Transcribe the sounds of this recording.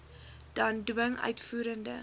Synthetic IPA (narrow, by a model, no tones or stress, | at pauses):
d̥ɐndwəŋœ̰ɥtfuːɾəndə̰